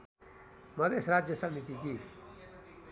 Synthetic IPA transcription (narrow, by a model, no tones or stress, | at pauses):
mɐd̪eːsɾaːd͡ʒjəsəmit̪ikiː